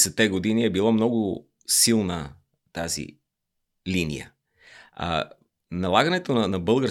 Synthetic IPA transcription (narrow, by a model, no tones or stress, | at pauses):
sɛt̪ːɛɡod̪iniɛbilˠamnɔɡʊ | silˠnə | t̪azḭ | linḭjə̰ | nɐlˠaɡɐnɛt̪onɐnɐbɤlˠɡəɾ